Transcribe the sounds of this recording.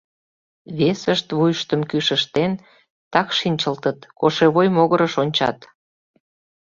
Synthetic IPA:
βesəʃt̪βujʃt̪əmkyʃəʃt̪en | t̪ɑkʃinʲt͡ɕəlt̪ət̪koʃeβojmoɣəɾəʃonʲt͡ɕɑ̰t̪

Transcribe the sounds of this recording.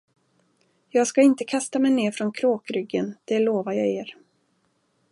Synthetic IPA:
jɑːɡskaɪnt̪əkʰast̪amɛjneːɾfɾɔnkʰɾoːkɾʏɡːənd̪̥ɛloːvajɑ̰ːeːɾ

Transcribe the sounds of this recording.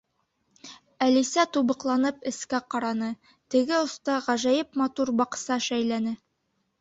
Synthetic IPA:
ælisæt̪ubɤ̆qlˠɑnɤpɘ̆skæqɑɾɑnɤ | t̪ɘ̆ɡɘŏst̪ɑʁæʒæjɘpmɑt̪uɾbɑqsɑʃæjlænɘ

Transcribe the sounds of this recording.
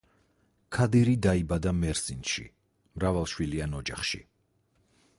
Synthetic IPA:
kʰad̪iɾid̪aibad̪amɛɾsinʃḭ | mɾavalˠʃwilianɔd͡ʒaχʃḭ

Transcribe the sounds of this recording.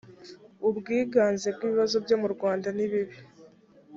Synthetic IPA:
ubɡiːɡaːnzeb̚ɡiːβiβazo̞bjo̞ːmuɾɡwaːndaniβiβi

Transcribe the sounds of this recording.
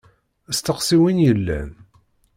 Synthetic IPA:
əst̪əqsiwinjəlːæ̰n

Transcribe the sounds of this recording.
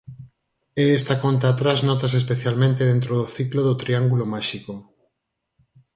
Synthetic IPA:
eest̪akont̪aːt̪ɾaznɔt̪as̬espeθjalmẽnt̪eðent̪ɾoðoθikloðot̪ɾiaŋɡulomaʃiko

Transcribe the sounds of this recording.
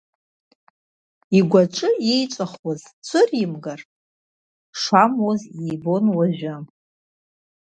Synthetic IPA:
iɡʷaʈ͡ʂʼɨejt͡ʃʷʼaχwazt͡sʷʰɨrimɡar | ʂamwozijbo̞nwaʒᶣa

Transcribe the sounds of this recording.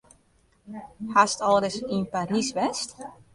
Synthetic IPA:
hastɔlˠdəsinpaɾisʋɛst

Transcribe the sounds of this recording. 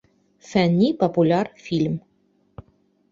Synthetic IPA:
fænʲːipopulʲarfʲilʲm

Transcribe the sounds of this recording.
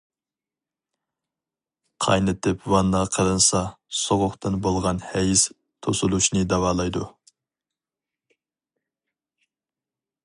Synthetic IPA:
qʰɑ̰jnɨt̪ʰɪpwɑnːɑʁqʰəɾɨnsɑsoʁʊχt̪ɨnbolˠʁɑnhɛjɪs | t̪ʰosulˠuʃnɨd̪ɑwɑːlˠɑjd̪u

